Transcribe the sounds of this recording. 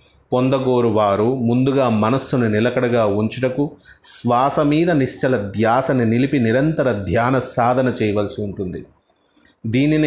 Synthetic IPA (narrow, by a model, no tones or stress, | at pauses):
pɔnd̪ɐɡoːɾuʋaːɾumund̪uɡaːmɐnɐsːununilɐkɐɽɐɡaːuɲt͡ʃiʈɐkusʋaːsɐmiːd̪ɐniʂt͡ʃɐlɐd̪ʱjaːsɐninilipiniɾɐnt̪ɐɾɐd̪ʱjaːnɐsaːd̪ʱɐnɐt͡ʃɛːjɐʋɐlɐsiuɳʈund̪ḭ | d̪iːnin